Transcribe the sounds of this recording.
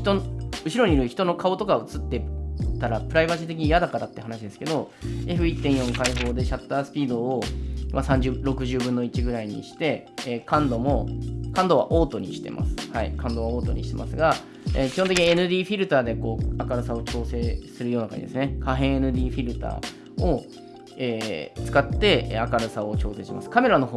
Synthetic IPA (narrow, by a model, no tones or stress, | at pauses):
çi̥t̪onɯ̟ɕiɾo̞ɲ̟iɾɯ̟çi̥t̪o̞no̞kao̞t̪o̞kaɯ̟t͡sɨt̪ːe̞t̪ːaɾapɯ̟ɾaibaʑit̪̬e̞k̬ʲiɲijad̪akaɾat̪ːeɦanaɕid̪e̞sɨ̥ke̞d̪o̞e̞ɸɯ̟it̪ːẽɰ̃jõ̞ŋkaiɸo̞ːd̪e̞ɕat̪ːaːsɨ̥pʲiːd̪o̞ːmasãɲ̟d͡ʑɾo̞kɯ̟ʑɨːbɯ̃nːo̞it͡ɕiɡɯ̟ɾaiɲ̟ḭɕi̥t̪e̞ː | kãnd̪o̞mo̞kãnd̪o̞βa̰ʔo̞ːt̪o̞ɲ̟iɕi̥t̪e̞̰mʔa̰sɨ̥haḭkãnd̪o̞βaoːt̪o̞ɲiɕi̥t̪e̞mʔa̰sɨɡa | ekʲi̥hõt̪ekʲiɲienɯ̟d̪ʲiːɸʲiɾɯ̟t̪aːd̪e̞ko̞ːakaɾɯ̟sao̞t͡ɕo̞ːse̞ːsɨɾɯjo̞ːnaka̰ɲid̪esɨne̞kaɦẽ̞ɰ̃e̞nɯ̟d̪ʲiːɸʲiɾɯ̟t̪a̰ː | o | eːt͡sɨ̥kat̪ːe̞akaɾɯ̟sao̞t͡ɕo̞ːse̞ːɕima̰sɨ̥kame̞ɾano̞ɦoː